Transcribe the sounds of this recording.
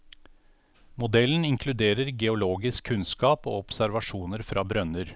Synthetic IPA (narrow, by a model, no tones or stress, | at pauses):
mʊd̪ɛlən̩ɪŋkʰlʉd̪eːɾəɾɡɛʊloːɡɪskʰʉnskɑːpo̰ːɔpsæɾʋɑʂuːnəɾfɾʔɑːbɾœnəɾ